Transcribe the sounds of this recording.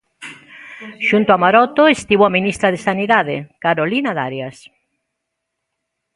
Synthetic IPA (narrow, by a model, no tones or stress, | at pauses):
ʃunt̪oamaɾɔt̪oest̪iβoaminist̪ɾaðesaniðaðekaɾolinaða̰ɾjas